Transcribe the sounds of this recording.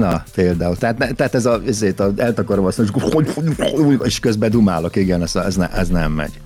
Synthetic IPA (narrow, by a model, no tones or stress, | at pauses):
nɒpeːld̪aːult̪aːt̪nɛt̪ɛat̪ɛzɒizeːt̪ɒɛlt̪ɒkoɾomɒsemʃkooɟoueʃkøzbɛd̪uma̰ːlo̞kiɡɛnɛz̥ɛznɛ̰ʔɛznɛmːɛ̰ɟ̥